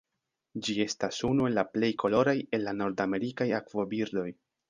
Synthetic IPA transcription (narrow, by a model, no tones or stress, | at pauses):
d͡ʒie̞stasunue̞lːaple̞jkʰo̞lo̞ɾaje̞lːano̞ɾdame̞ɾikajakvo̞biɾd̪o̞j